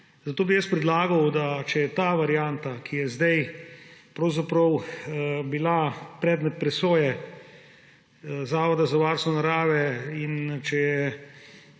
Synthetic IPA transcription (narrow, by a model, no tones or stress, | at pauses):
zat̪oːbijɛspɾɛd̪laːɡɐwd̪at͡ʃɛjɛt̪aʋaɾijant̪akʰijɛzd̪ɛj | pɾɐwzapɾɐw | bilapɾɛːd̪mɛt̪̚pɾɛsoːjɛ | zaːʋɔd̪azaʋaɾst̪ʋɔnaɾaːʋɛint͡ʃɛjɛ